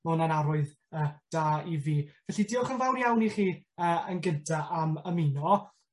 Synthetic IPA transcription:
mʊnanaɾʊɨð | əːd̥aːiviːvɛɬidiːɔχənvawnjawniχiːəːənɡɪntʰaʔaməminɔ

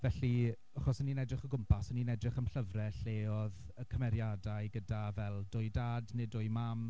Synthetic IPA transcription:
vɛɬi | aχɔsəninɛdrɪχəɡʊmpʰasəninɛdrɪχəmɬəvrɛɬeːɔðəkʰəmɛɾjadajɡədavɛlˠdʊjdaːdnɪdʊjmam

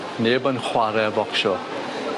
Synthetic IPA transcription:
neːbənχwaɾɛvɔkʃɔ

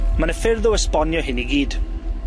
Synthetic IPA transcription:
manəfɪrðʊəspɔnjɔɦɪniɡiːd̥

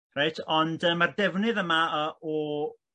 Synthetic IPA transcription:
rajtʰɔndəmardɛvnɨðəmaəʔɔ

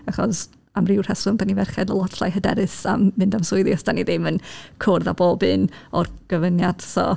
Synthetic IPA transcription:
aχɔs | amrɪwr̥hɛsʊnb̥anivɛrχɛdəlˠɔtʰlˠa̰jɦədɛ̰ɾɨsa̰mːɪndamsʊɨðjɔsd̥aniðɪmənkʰʊrða̰boːbɨnɔrɡ̥əvənjad̥sɔ̰

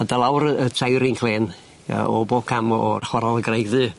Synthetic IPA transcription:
adalˠawɾəətʰajɾɪŋkʰleːn | ə̰ɔboːkʰamɔχwaɾɔlˠəɡrejɡðɨː

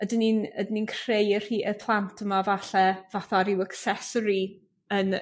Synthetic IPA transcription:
ədəninədininkʰr̥ejər̥iːʔəpʰlˠantʰəmavaɬɛvaθaɾɪwəksɛsɔɾi | ən

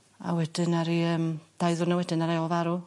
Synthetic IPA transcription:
a̰wɛd̥ɪnaɾiəːmd̥ajðʊrnawɛdɪnaɾɛɔlˠvaɾu

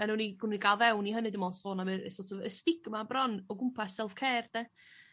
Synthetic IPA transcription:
anuːniɡniɡalˠvɛwniɦənɨdəmɔsoːnamɨɾsoːtʰovəstɪɡmabrɔnɔɡʊmpʰasɛlˠfkʰɛːrdɛ

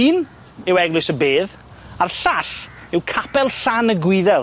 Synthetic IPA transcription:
iːn | ɪwɛɡlʊsəbeːð | arɬaɬ | ɪwkʰapɛlˠɬanəɡwɪðɛlˠ

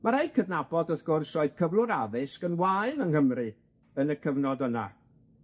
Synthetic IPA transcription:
maɾajdkʰəvnabɔdɔθɡ̥ʊrsrɔɨd̥kʰəvlˠʊɾaðɨskənwaɨlənhəmrɨ | ənəkʰəvnɔdəna̰

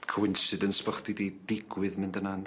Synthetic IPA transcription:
kʰəwɪnsɨdənspɔχdidid̥ɪɡwɨðmɪndənan

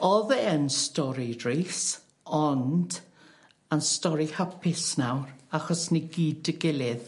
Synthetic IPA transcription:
ɔðɛənstɔɾidriːs | ɔnd̥ | ənstɔɾihapʰɪsnawraχɔsniɡiːdəɡɪlˠɪð

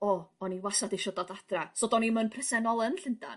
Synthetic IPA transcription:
ɔɔniwasadɪʃɔdɔdadrasoːdɔnimənpʰrɛsɛnɔlˠənɬənda̰n

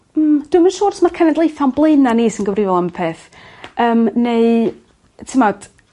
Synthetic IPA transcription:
d̥wɨmənʃɔːrtʰmarkʰɛnɛdlˠeɨθanblˠeɨnaniːsinɡəvrɪvɔlˠanməpʰeːθ | əːmneɨ | tʰəmɔd̥

